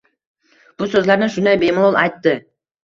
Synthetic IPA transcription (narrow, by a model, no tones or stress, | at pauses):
b̥ʊsɵzlaɾnɪʃʊnd̪ajbe̞mʊlˠɒlˠajt̪ːɪ